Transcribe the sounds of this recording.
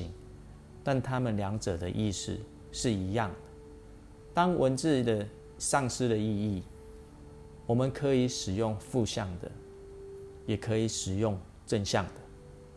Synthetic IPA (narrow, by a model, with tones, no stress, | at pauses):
ḭ˨˦ŋ | t̪a˥˨nt̪ʰa˦mə˨nlja˧˦ŋʈ͡ʂə˨˩d̪ə˨ʔi˥˧ʂ̩˥˩ | ʂɻ̩˥˩i˨˧˦jɑ˥˩ŋd̪ə˩ | t̪ɑ˦ŋwʔə˧˦nt͡sɻ̩˥˨d̪ə˨ | ʂɑ˥˧ŋʂɻ̩˥d̪ə˨i˥˧i˥˩ | wɔ˨˩mə˨nkʰə˨˦i˨˦ʂɻ̩˨˩jʊ˥˧ŋfu˥˧ɕjɑ˥˩ŋd̪ə̰˨˩ | jɛ˨˩kʰə˧˦i˨˩˦ʂɻ̩˨˩jʊ˥˨ŋ | ʈ͡ʂə˥˧nɕjɑ˥˨˩ŋd̪ə˩